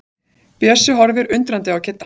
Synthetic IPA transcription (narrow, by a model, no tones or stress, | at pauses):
pjɛsʏɦɔɾvɪɾʏnt̪ɾant̪ɪawcʰɪt̪ːa